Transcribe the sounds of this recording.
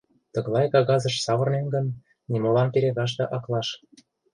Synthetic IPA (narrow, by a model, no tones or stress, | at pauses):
t̪ɤ̆ɣlˠɑjkɑɣɑzɤ̆ʃsɑβə̆rnenɡə̆nː | imolɑmpeɾeɣɑʃ̬t̪ɤ̆ʔɑklˠɑʃ